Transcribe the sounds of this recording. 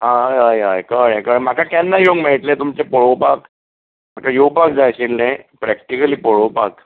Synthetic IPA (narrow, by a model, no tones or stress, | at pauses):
ɦaajajkəɽekəɭm̤akakanːaɦioŋmeʈ̪lẽt̪umt͡ɕepoɭopak | m̤akajopak̚d͡zajɕinlẽpɾɛk̚ʈikəliːpoɭopak